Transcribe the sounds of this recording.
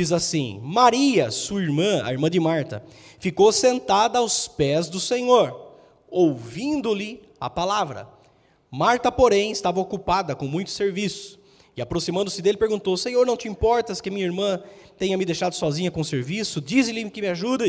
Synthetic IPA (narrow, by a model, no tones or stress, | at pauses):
izasḭ̃maɾiɐsuɐiɾmɐ̃ɐ̰iɾmɐ̃d̪ɪmaɾt̪ɐ̰fikowsẽnt̪ad̪ɐawspɛzd̪ʊsẽɲoɾ | owvĩnd̪ʊlɪ | ɐ̰palavɾɐ̰ | maɾt̪ɐpoɾẽj̃ɪst̪avɐokupad̪ɐkõmũj̃t̪ʊ̥seɾvisʊ̥ | ɪapɾosimɐ̃nd̪ʊsɪd̪elɪpeɾɡũnt̪owsẽɲoɾnɐ̃w̃t͡ʃ̪ɪĩmpɔɾt̪ɐskɪamĩɲɐiɾmɐ̃t̪ẽjɲɐmɪd̪ejʃad̪ʊsɔzĩɲɐkõseɾvisʊd͡ʒizɪlɪmɪkɪmɪaʒud̪ɐ